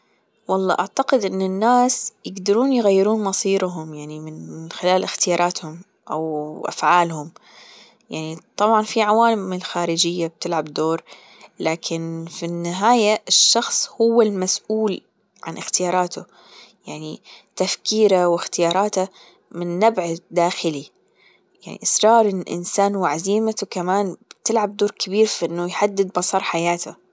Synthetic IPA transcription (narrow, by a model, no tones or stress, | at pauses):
wɑlˤːɑ̰ːʔaʕt̪aqɪd̪ʔɪnːɪnːaːsjɪɡd̪ɑɾuːnjɣajːɪɾuːnmɑsˤiːɾɦʊmjaʕnimɪnɪnxɪlaːlʔɪxt̪ɪjɑːɾˤɑːt̪hʊm | ʔa̰wʔa̰fʕaːlhʊm | jaʕnit̪ˤɑbʕɑnfiʕawaːlmɪlxaːɾɪd͡ʒɪjːab̚t̪ɪlʕabd̪oːɾ | laːkʰɪnfinːɪɦaːjaɪʃːɑxsˤhʊwːalmasʔuːl | ʕanʔɪxt̪ɪjɑːɾˤɑːt̪ʰʊ | jaʕnit̪afkiːɾawɪxt̪ɪjɑːɾˤɑːt̪a | mɪnːabʕd̪aːxɪli | jaʕnḭʔɪsɾˤɑːɾˤɪnʔɪ̰nsaːnwʕaziːmat̪ukamaːnb̥t̪ɪlʕab̚d̪oːɾkɪbiːɾfiʔɪnːʊjħad̪ːɪd̪̚bɑsˤɑɾˤħajaːt̪ʰa̰